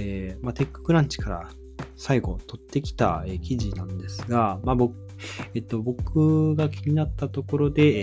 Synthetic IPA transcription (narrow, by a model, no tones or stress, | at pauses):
emat̪e̞kːɯ̥kɯ̟ɾãɲt͡ɕi̥kaɾa̰ | saiɡo̞̰t̪o̞t̪ːe̞kʲi̥t̪a̰e̞kʲiʑinãnd̪e̞sɨɡamabok | et̪ːo̞bo̞kɯ̟ɡakʲiɲ̟inat̪ːat̪o̞ko̞ɾo̞d̪e̞